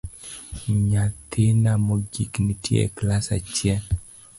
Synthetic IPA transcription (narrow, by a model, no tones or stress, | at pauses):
ɲat̪ʰɪnamoɡḭknɪtjḛklasa̰t͡ʃjɛl